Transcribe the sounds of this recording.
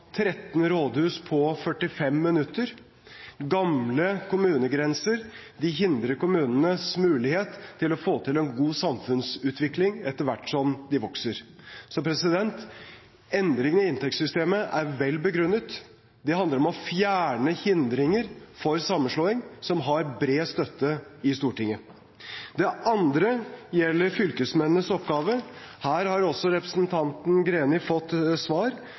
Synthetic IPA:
t̪ʰɾɛt̪n̩ɾoːd̪hʉːspʰɔfœʈːɪfɛmːɪnʉt̪ːəɾ | ɡɑmləkʰʊmʉːnəɡɾɛnsəɾ | d̪ɪɦɪnd̪ɾəɾkʊmʉːnənəsmʉːlɪheːt̪ʰːɪlɔfoːt̪ʰɪlɛnɡuːsɑmfʉnsʉːt̪ʰʋɪklɪŋɛt̪ːəɾʋæʈːsɔmd̪ɪʋɔksəɾsɔpʰɾɛsɪd̪ɛnt̪ | ɛnd̪ɾɪŋənɪɪnt̪ʰɛksʏst̪eːməʔæɾʋɛlːbəɡɾʉnːət̪ | d̪ɛɑnd̪əɾɔmɔfjæːɳəhɪnd̪ɾɪŋəɾfɔɾsɑmːənʂɭoːɪŋsɔmɦɑɾbɾeːst̪œt̪ːəɪst̪uːʈɪŋːə | d̪ɛʔɑnd̪ɾəjɛlːəɾfʏlkəsmɛnːəsɔpːɡɑːʋəhæːɾhɑɾɔsːɔɾɛpɾə̥sn̩t̪ʰɑnt̪n̩ɡɾeːnɪfɔt̪ːsʋɑːɾ

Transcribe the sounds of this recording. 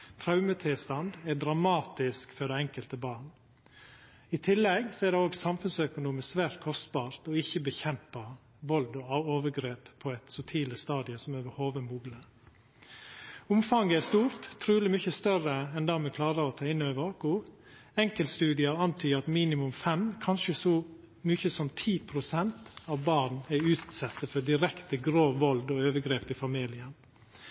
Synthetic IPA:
t̪ʰɾɑʉmət̪ʰɪlst̪ɑnd̪ɛd̪ɾɑmɑːt̪ɪskfœɖ̪ɛɛŋkəlt̪əbɑːɳ | ɪt̪ʰɪlːɛɡsɔɛd̪ɛoːɡsɑmfʉnsœkʊnuːməsʋæːɾt̪̚kʰɔst̪̚bɑːɾt̪ɔɪçːəbəçɛmpɑ | ʋɔld̪ɔɑoːʋəɡɾeːpʰːɔɛt̪sʊt̪ʰiːləst̪ɑːd̪ɪəsɔmɛbəhoːʋəmuːɡlə | ʊmfɑŋɡəæst̪uːɾt̪ʰːɾʉːlɪmʏçəst̪œɾəɛnd̪ɑːmɛkʰlɑːɾəɾɔt̪ʰɑːɪnøːʋəɾoːkʊ | ɛŋkəlt̪st̪ʉːd̪ɪəɾɑnt̪ʰyːɑt̪miːnɪmʉmfɛmkʰɑnʃəsɔ | myːçəsɔmt̪ʰiːpʰɾʊsɛnt̪ɑʋbɑɾnɛʉːt̪sɛt̪ːəfɔd̪ɪɾɛkt̪əɡɾoːʋɔld̪ɔøːʋəɡɾeːpɪfɑmiːlɪən

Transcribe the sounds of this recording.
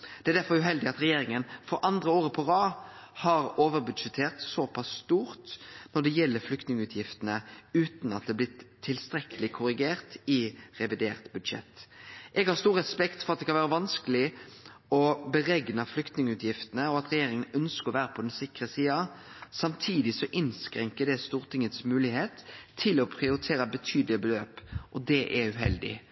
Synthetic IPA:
d̪̥ɛæɾd̪æfɔɾʉɦɛld̪ɪɑt̪ɾɛjeːɾɪŋənfɔɾʔɑnd̪ʁəoːɾəpʰɔʁɑː | hɑɾoːʋəɾbʉd̪ʃɛt̪ʰeːʁt̪sopʰɑsːt̪uːʁt̪nɔɖ̪ɛjɛlːəɾflʏkt̪nɪŋʉːt̪ʰjɪft̪ənəʉːt̪nɑt̪̚d̪ɛːblɪt̪ʰːɪlst̪ɾɛkəlɪkʰʊɾɪɡeːʁt̪ɪʁɛʋɪd̪eːʁt̪bʉd̪ʃɛ̰t̪ːʔɛɡhɑɾst̪uːɾʁɛspɛkt̪fɔɾɑt̪̚d̪ɛkʰɑnæːɾəʋɑnskəlɪ | ɔbəɾɛɡnəflʏkt̪nɪŋəʉːt̪jɪft̪ənəɔɑt̪ɾɛjeːɾɪŋənœnskəɔʋæːɾəpʰɔd̪ɛnsɪkʁəsiːɑsɑmt̪ʰiːd̪ɪsɔʔɪnskɾɛŋkəd̪ɛst̪uːʁt̪ʰɪŋːət̪smʉːlɪheːt̪ʰːɪlɔpʰʁɪʊɾɪt̪ʰeːɾəbət̪ʰyːd̪əlɪəbəløːpʔɔd̪ɛʔɛʉɦɛ̰ld̪ɪ̰

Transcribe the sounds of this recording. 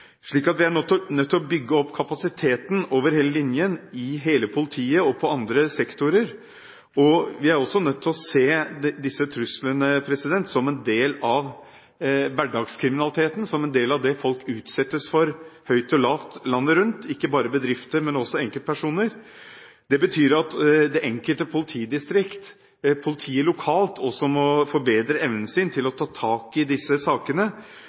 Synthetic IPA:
ʂɭiːkɑt̪ʋɪæɳœt̪ʰːnœt̪ʰːɪlɔbʏɡːəɔpːkʰɑpɑsɪt̪ʰeːt̪n̩oːʋəɾheːləlɪnjənɪɦeːləpʰʊlɪt̪ʰiːəɔpʰɔɑnd̪ɾəsɛkt̪ʊɾəɾ | ɔʋɪæɾɔsːɔnœt̪ʰːɪlɔseːd̪ɪsːət̪ʰɾʉslənəpʰɾɛsɪd̪ɛnt̪sɔmɛnd̪eːlɑʋ | ʋæɖɑːɡskʰɾɪmɪnɑlɪt̪ʰeːt̪n̩sɔmɛnd̪eːlɑʋd̪ɛfɔlkʉːt̪sɛt̪ːəsfɔɾhœʏt̪ɔlɑːʋt̪lɑnːəɾʉnt̪ʰɪkːəbɑːɾəbəd̪ɾɪft̪əɾmɛnɔsːɔɛŋkəlt̪pʰæʂuːnəɾ | d̪̥ɛbət̪ʰyːɾɑt̪d̪ɛʔɛŋkəlt̪əpʰʊlɪt̪ʰiːd̪ɪst̪ɾɪkt̪ | pʰʊlɪt̪ʰiːəlʊkʰɑːlt̪ʰɔsɔmɔfɔɾbeːd̪ɾəɛʋnənsɪnt̪ʰɪlɔt̪ʰɑːt̪ʰɑːkɪd̪ɪsːəsɑːkənə

